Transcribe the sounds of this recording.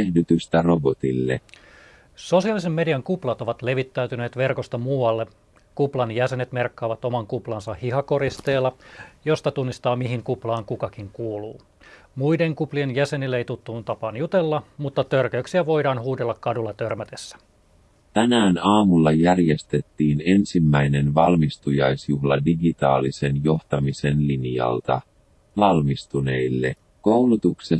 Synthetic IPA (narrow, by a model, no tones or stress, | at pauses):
ehnyt̪yst̪ærobot̪ḭlːḛ | so̞siɑlisemːe̞diɑŋkuplɑt̪o̞ʋɑt̪le̞ʋit̪ːæyt̪yne̞ːt̪ʋe̞rko̞st̪ɑmuːɑlːe | kuplɑnjæse̞net̪me̞rkːɑːʋɑt̪o̞mɑŋkuplɑnsɑhhiɦɑko̞ɾist̪e̞ːlːɑjo̞st̪ɑt̪unːist̪ɑːmiɦiŋkuplɑːŋkukɑkiŋkuːluː | muide̞ŋkuplienjæse̞nilːejt̪ut̪ːununt̪ɑpɑːnjut̪elːɑmut̪ːɑt̪ørkøyksiæʋo̞jdɑːnhuːdelːɑkkɑdulːɑt̪ørmæt̪esːæ̥ | t̪ænæːnɑːmulːɑjærjest̪e̞t̪ːiːne̞nsimːæjne̞nʋɑlmist̪ujɑjsjuhlɑdiɡit̪ɑ̰ːlise̞njo̞ht̪ɑmise̞nlinjɑ̰lt̪ɑ | ʋɑlmist̪une̞ilːe̞̰ | ko̞wlut̪ukse